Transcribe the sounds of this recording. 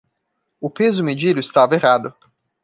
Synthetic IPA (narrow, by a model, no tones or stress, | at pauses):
ʊpezʊmed͡ʒid̪ʊɪst̪aveʁad̪ʊ